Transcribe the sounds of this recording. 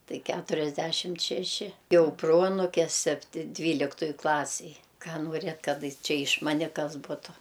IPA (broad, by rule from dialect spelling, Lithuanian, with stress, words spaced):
ˈtɐɪ ˈkʲætʊrʲɛzʲˌdʲæʃʲɪmt ʃʲɛˈʃʲɪ ˈjɛʊ ˈproːɐnʊkʲɛ ˈsʲæːpʲtʲɪ ˈdʲʋʲiːlʲɪktʊj ˈklˠɑːsʲɪj ˈkɑː nuɔˈrʲeːt ˈkɐt ˈt͡ʃʲɛ ɪʃ ˈmɑːnʲɛ ˈkɐs ˈbʊtʊ